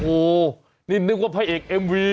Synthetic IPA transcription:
oː˨˩ | niː˥˩nɯ˦˥k̚waː˥˩pʰa˧jʔeː˨˩k̚ʔe˧mwiː˧

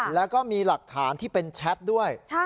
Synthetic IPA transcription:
lɛː˦˥wkɔː˥˩miː˧la˨˩k̚t̪ʰaː˩˦nt̪ʰiː˥˩pe˧nt͡ɕʰɛ˦˥t̪̚du˥˩əj

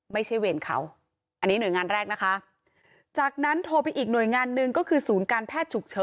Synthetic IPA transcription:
ma˥˩jt͡ɕʰa˥˩jweː˧nkʰa̰˦˥w | ʔa˧nːiː˦˥nu˩˦jŋaː˧nɾɛː˥˩k̚na˦˥kʰa˦˥ʔ | t͡ɕaː˨˩k̚na˦˥nt̪ʰoː˧pa˧jʔiː˨˩k̚nu˨˩əjŋaː˧nːɯ˧ŋkɔː˥˩kʰɯː˧suː˩˦nkaː˧npʰɛː˥˩t̪̚t͡ɕʰu˨˩k̚t͡ɕʰɤː˧˥

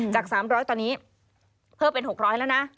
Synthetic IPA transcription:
t͡ɕaː˨˩k̚saː˩˦mɾɔː˦˥jt̪ɔː˧niː˦˥ | pʰɤː˥˩pe˧nɦo˨˩k̚ɾɔː˦˥jlɛ˦˥wna˦˥

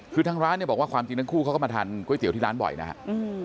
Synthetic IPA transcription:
kʰɯː˧t̪ʰaː˧˥ŋɾaː˦˥nːi˥˩bɔ˨˩waː˥˩kwaː˧mt͡ɕi˧ŋt̪aː˦˥ŋkʰuː˥˩kʰːma˧t̪ʰaː˧nkʰu˥˩˨jt̪i˩˦t̪iː˥˩ɾaː˦˥nbɔ̰˨˩jna̰˦˥kʰa̰˦˥ʔʔɯː˧

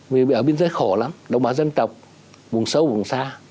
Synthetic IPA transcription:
vi˨˩ɓḭ˨˧˨ʔəː˧˩ɓi˧ənzəː˨˦jxo˧˩la˨˦mɗə̰˨˩wŋ͡mɓaː˧˩zə˧nt̪ə˨˩wk͡p̚ | vʊ˨˩ŋsə˨˦wvʊ˨˩ŋsaː˧

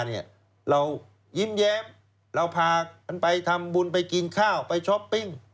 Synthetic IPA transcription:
ni˥˩ɐ | ɾa˧w | ji˥˩mjɛː˦˥m | ɾa˧wpʰaː˧a˧npa˧jt̪ʰa˧mbu˧np̬a˧jki˧nkʰaː˥˩wpa˧jt͡ɕʰɔ˦˥pːi˥˩ŋ

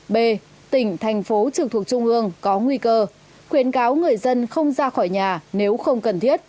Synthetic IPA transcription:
ɓe˧˩ | t̪ï˧˩ŋ̟t̪ʰɛ˨˩jŋ̟fo˨˦t͡ɕɨ˨˩k̚t̪ʰək̚t͡ɕʊ˧ŋ͡mʔɨ˧əŋkɔ˨˦ŋwi˧kəː˧ | xwi˨˦ənkaː˨˦wŋɨ˨˩əjzə˧nxə˧wŋ͡mzaː˧xɔ˧˩jɲaː˨˩ne˨˦wxə˧wŋ͡mkə˨˩nt̪ʰi˦˥ət̚

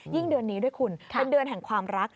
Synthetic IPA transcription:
ji˥˩ŋdɯ˧ənːiː˦˥du˥˩əjkʰu˧nʰe˧ndɯ˧ənɦɛ˨˩ŋkʰwaː˧mɾa˦˥k̚

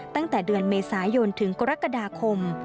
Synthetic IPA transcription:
t̪a˥˩ŋt̪ɛː˨˩dɯ˧ənmeː˧saː˩˦jo˧nt̪ʰɯ˩˦ŋka˧ɾa˦˥kːa˧daː˧kʰo˧m

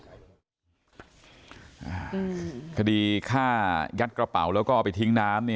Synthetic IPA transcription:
ʔaː˨˧˩kʰa˧diː˧kʰaː˥˩ja˦˥t̪̚kɾa˧pa̰˨˩˦wlɛː˦˥wkɔː˥˩pa˧jt̪ʰi˦˥ŋnaː˦˥mni˥˩

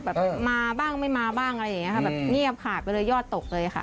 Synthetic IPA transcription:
bɛː˨˩p̚maː˧baː˥˩ŋma˥˩jmaː˧baː˥˩ŋʔa˧ɾa˧jːa˨˩ŋi˦˥kʰa˥˩bɛː˨˩p̚ŋi˥˩əp̚kʰaː˨˩t̪̚pa˧jlɤː˧jɔː˥˩t̪ːo˨˩k̚lɤː˧jʔa˨˩kʰa̰˦˥˩

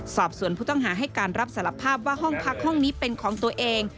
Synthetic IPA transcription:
sɔː˨˩p̚su˨˩˦ənpʰuː˥˩t̪ɔ˥˩ŋɦaː˩˦ɦa˥˩jkaː˧nɾa˦˥p̚sa˩˦la˧˩pʰaː˥˩p̚waː˥˩ɦɔ˥˩ŋpʰa˦˥k̚hɔ˥˩ŋniː˦˥pe˧nkʰɔː˩˦ŋt̪u˧ɐʔeː˧ŋ

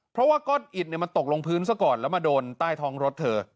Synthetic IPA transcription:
pʰɾɔ˦˥waː˥˩kɔː˥˩t̪̚ʔi˨˩t̪̚ni˧˩ma˧nt̪o˨˩k̚lo˧ŋpʰɯː˦˥ns̬a˥˩kɔː˨˩nlɛ˦˥wmaː˧doː˧nt̪aː˥˩jt̪ʰɔː˦˥ŋɾo˦˥t̪̚ʰːɤː˧

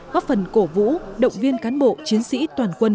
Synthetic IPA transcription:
kɔ˦˥fə˨˩nko˧˩vṵ˧˥ɗə̰˧˨wŋ͡mvi˧ənkaː˨˦nɓo̰˧˨t͡ɕi˨˦ənsḭ˧˥t̪waː˨˩nkwə˧n

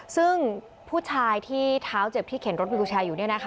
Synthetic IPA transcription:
sɯ˥˩ŋ | pʰuː˥˩t͡ɕʰaː˧jt̪ʰiː˥˩t̪ʰaː˦˥wt͡ɕe˨˩p̚t̪ʰiː˥˩kʰe˩˦nɾo˦˥t̪̚djuː˧t͡ɕʰaː˧juː˨˩ni˥ɐna˦˥kʰ

